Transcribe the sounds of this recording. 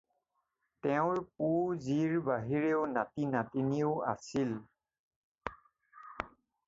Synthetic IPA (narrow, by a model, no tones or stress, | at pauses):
tɛʊ̃ɹp̚uziɹbaɦiɹeʊnatinatiniʊa̰sil